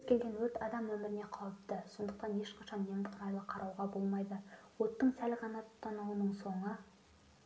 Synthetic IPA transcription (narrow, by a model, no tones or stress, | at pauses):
zkʲe̞lɡʲenwɵt̪ɑd̪ɑmwɵmɪɾɪne̞qʰɑwəp̚t̪əso̞nd̪əqt̪ɑne̞ʃqɑʃɑnːemɪt̪qʰʊɾɑjlˠəqʰɑɾʔɑwʁɑbo̞lˠmɑjd̪əwo̞t̪ːəɴsælʁɑnɑt̪ʰʊ̥t̪ʰːɑnuwənəɴso̞ɴə